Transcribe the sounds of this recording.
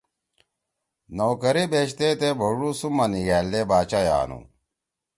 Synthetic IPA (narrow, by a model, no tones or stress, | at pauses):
noːkɐɾibeːɕt̪et̪ebʱoɽusumɐniɡæːlːebaːt͡ɕaja̰ːnṵ